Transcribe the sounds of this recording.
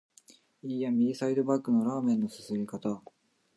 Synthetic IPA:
iːjamʲiisaid̪o̞bakːɯ̟no̞ɾaːmẽ̞nːo̞sɨ̥sɨmʲikat̪a

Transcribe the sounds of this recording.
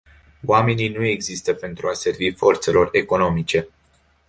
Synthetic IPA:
oame̞ninue̞ɡzist̪əpe̞nt̪ɾuase̞rvifo̞rt̪se̞lo̞re̞ko̞no̞mit͡ʃe̞

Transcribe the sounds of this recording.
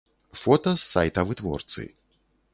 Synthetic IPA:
fɔt̪ɐsːajt̪ɐvɨt̪vɔ̰rt̪sɨ̰

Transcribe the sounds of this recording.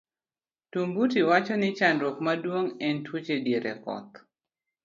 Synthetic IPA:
tumbutiwat͡ʃɔnɪt͡ʃandɾokmadwoŋɛntwot͡ʃedjeɾɛ̰kɔ̰t̪̚

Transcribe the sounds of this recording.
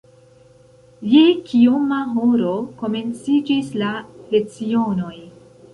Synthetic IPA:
jekiomaɦo̞ɾo̞ko̞me̞nt͡sid͡ʒislale̞t͡sio̞no̞j

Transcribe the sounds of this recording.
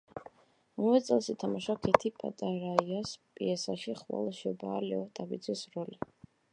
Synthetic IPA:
ɔɔvɛt̪sʼɛlˠʃit̪ʰamaʃakʰɛt̪ʰipʼa̰t̪ʼaɾaiaspʼḭɛsaʃiχwa̰lˠʃɔbaːlɛɔt̪ʼabid̪zɛsɾɔli

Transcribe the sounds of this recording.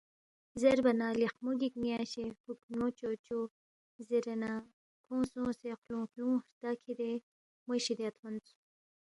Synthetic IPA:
zeɾbɐnaːliχmuɡiknijaːɕehuknot͡ʃoːt͡ɕo | zeɾenaː | kʰõːsõːseqlũːxlũːɾt̪akʰid̪e | moɕid̪eɐt̪ʰmɐnt͡su̥

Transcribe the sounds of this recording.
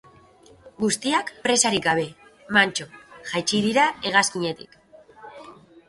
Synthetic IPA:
ɡust̪iakpɾe̞saɾikɡaβ̞e̞ | mant͡ʃo̞ʝajt͡ʃið̞iɾae̞ɣ̞askiɲe̞t̪ḭk

